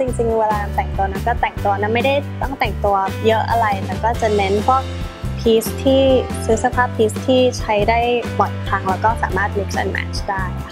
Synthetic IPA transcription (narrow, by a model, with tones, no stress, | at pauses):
t͡ɕi˧ŋt͡ɕi˧ŋweː˧laː˧na˧˩nt̪ɛ˨˩ŋt̪u˧ɐna˦˥nkɔː˥˩t̪ɛ˨˩ŋt̪u˧ɐna˦˥nma˥˩jda˥˩jt̪ɔ˥˩ŋt̪ɛ˨˩ŋt̪u˧ɐjɤ˦˥ʔa̰˧ɾa˧jlɛː˦˥wkɔː˥˩t͡ɕa˨˩ne˦˥npʰɔ˦˥˨ | pʰiː˦˥st̪ʰiː˥˩sɯ˦˥sa˧pʰaː˥˩pʰiː˦˥st̪ʰiː˥˩t͡ɕʰa˦˥jdaː˥˩jmɔ˨˩t̪̚t̪ʰaː˧ŋlɛː˦˥wkɔː˥˩saː˩˦maː˥˩t̪̚li˦˥k̚sa̰˧nmɛ̰ː˧˥˩t͡ɕdaː˥˩j